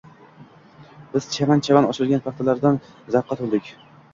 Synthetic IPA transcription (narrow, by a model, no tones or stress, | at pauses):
bɪz̥t͡ʃʰamant͡ʃʰavanɒʃɪɾɡʲanpʰɑqt̪ʰalaɾd̪an | zap̚qːɑt̪ʰolˠd̪ɪkʲ